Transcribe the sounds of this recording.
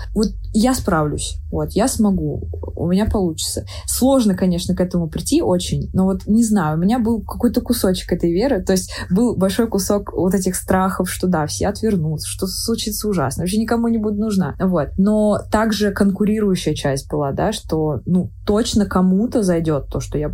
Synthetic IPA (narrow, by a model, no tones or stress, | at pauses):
vo̞t̪̚ | jaspɾavlʲʊ̰sʲvo̞t̪jasmɐɡuʊ̰mʲɪnʲapɐlˠut͡ɕɪ̥t̪sə | slˠo̞ʐnəkɐnʲe̞ʂnəkɛt̪əmʊpɾʲɪtʲːiʔo̞t͡ɕɪnʲno̞vo̞t̪nʲɪznajʊʊmʲɪnʲabɨlˠkɐko̞jt̪əkʊso̞t͡ɕɪ̥kɛt̪əjvʲe̞ɾɨt̪o̞ɪsʲtʲbɨlˠbɐlʲʂo̞jkʊso̞kvot̪ɛtʲɪxst̪ɾaxəfʂt̪o̞d̪afsʲeɐt̪vʲɪrnut̪sə̥ʂt̪oslˠʊt͡ɕit̪səʊʐa̰snəɐɕ̬ʲenʲɪkɐmunʲɪbudʲɪt̪nʊʐna̰vo̞t̪̚no̞t̪aɡʐɨkənkʊɾʲiɾʊjʉɕːɪjət͡ɕæsʲt̚ʲbɨlˠad̪aʂt̪o̞nut̪o̞t͡ɕnəkɐmut̪əzɐjdʲo̞t̪ːo̞ʂt̪o̞ja